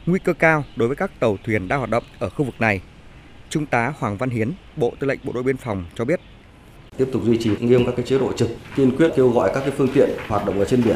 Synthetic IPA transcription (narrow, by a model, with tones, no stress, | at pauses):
ŋwi˧kəː˧kaː˧wɗo˨˦jvəː˨˦jkaː˦˥k̚t̪ə˨˩wt̪ʰwi˨˩ənɗa̰ː˧˥hwaː˨˩t̚ɗə̰˧˨ŋ͡mʔəː˧˩xu˧vɨ˨˩k̚na˨˩j | t͡ɕʊ˧ŋ͡mt̪aː˨˦hwaː˨˩ŋva˧nɦi˨˦ən | ɓo̰˧˨t̪ɨ˧la̰˧˨jŋ̟ɓo̰˧˨ɗo̰˧˨ɓənfa˨˩wŋ͡mt͡ɕɔ˧ɓi˦˥ət̚ | t̪i˦˥əp̚t̪ʊ˨˩k͡p̚zwi˧t͡ɕi˨˩ŋi˧əmkaː˦˥kːaː˨˦jt͡ɕi˨˦ɗo̰˧˨t͡ɕɨ˨˩k̚t̪i˧ənkwi˦˥ət̚ke˧wɣɔ̰˧˨jkaː˦˥kːaː˨˦fɨ˧əŋt̪ḭ˧˨ənhwaː˨˩t̚ɗə̰˧˨ŋ͡mʔəː˨˩t͡ɕe˧nɓi˧˩ən